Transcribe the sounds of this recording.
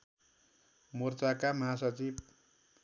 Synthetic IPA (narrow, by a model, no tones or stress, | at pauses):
mort͡sakamʌɦasʌt͡sib